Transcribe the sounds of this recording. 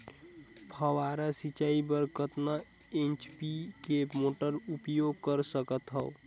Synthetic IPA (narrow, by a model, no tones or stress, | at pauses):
pʰəwaɾasit͡ʃaibəɾkət̪na | ẽnt͡ʃpikemoːʈəɾupjoɡ̚kəɾsəkət̪ɦəo